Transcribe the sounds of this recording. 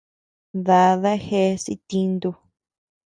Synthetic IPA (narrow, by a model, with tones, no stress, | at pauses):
ða˧ða˦xe˦sḭ˧t̪ĩ˧nd̪u˧